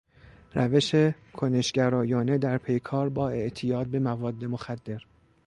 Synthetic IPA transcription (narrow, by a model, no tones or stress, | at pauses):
ɾæve̞ʃe̞ | kʰone̞ʃɟæɾɒːjɒːne̞d̪æɾpʰe̞jkʰɒːɾbɒːe̞ʔt̪ʰijɒːd̪̚be̞mævɒːd̪ːe̞moxæd̪ːe̞ɾ